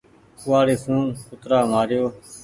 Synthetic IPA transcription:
ʊʋaːɾiːfʰuːnkʊt̪ɾaːmaːɾɪjoː

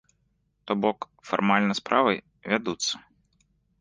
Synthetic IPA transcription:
t̪ɔbɔk | fa̰rmalʲnɐspɾʔavɨj | vʲad̪ut̪sːɐ̥

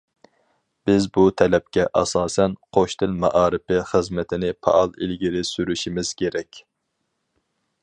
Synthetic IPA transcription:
b̥ɪzbut̪ʰɛlɛp̚kʲɛʔɑ̰sɑːsɛnqʰoʃt̪ʰɪlmɑʔɑːɾɪpɪχəzmɛt̪ʰɪnɪpʰɑ̰ʔɑlˠilɡʲiɾɪsyɾyʃimɪz̥kʲʰeɾɛkʲ

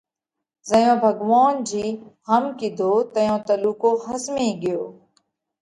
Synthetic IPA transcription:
zəjõːbʱəɡʋaːnd͡ʑiːɦəmkiːd̪ʱoːt̪əjõːt̪əluːkoːɦəsmĩːɡɪjoː

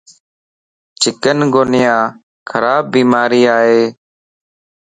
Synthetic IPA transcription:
t͡ʃʰɪkənɡoːnɪjãː | kʰəɾaːbːiːmaːɾiːaːɦeː

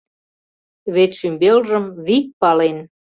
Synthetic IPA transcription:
βet̪ʃymbelʒəmβik̚pɑlen

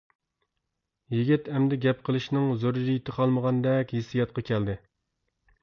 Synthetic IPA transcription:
jiɡʲit̪ɛmd̪ɪɡʲɛp̚qʰəlˠɨʃnɪŋzoɾd͡ʒijit̪ʰɪqʰɑlˠməʁɑnd̪ɛkʲhisijɑt̪̚qʰɑkʲʰɛld̪ɪ

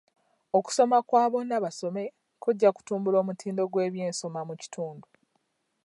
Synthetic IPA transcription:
o̞ku̥so̞makwaːβo̞nːaβaso̞me̞ | kuɟːaku̥tuːmbulo̞ːmutʰiːndo̞ɡwe̞ːβje̞ːnso̞mamuci̥tʰuːndu

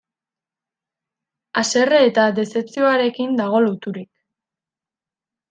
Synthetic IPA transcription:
ase̞reːt̪ad̪e̞se̞pt͡sio̞aɾe̞kind̪aɣ̞o̞lut̪uɾik

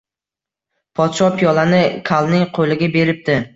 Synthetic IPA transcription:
pʰɒt̪ʃɒpʰijɒlanɪkʰalˠnɪŋqʰolɪɡʲabe̞ɾɪp̚t̪ɪ

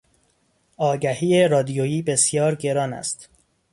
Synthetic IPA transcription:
ɒːɡæhiːerɒːd̪ijojiːbe̞sjɒːɾɟe̞ɾɒːnæ̰st̪

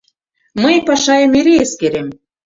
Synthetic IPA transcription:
məjpɑʃɑjəmeɾeeskeɾem

